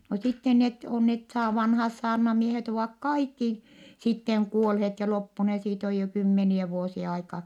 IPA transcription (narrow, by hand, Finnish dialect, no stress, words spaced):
no sitːen net on net sɑː ʋɑnhɑːs sɑːrnɑmiehet oʋɑˑk kɑikːi sitːeŋ kuolhet jɑ lopːune siːt oj jo kymːeniɛ ʋuosie ɑikɑ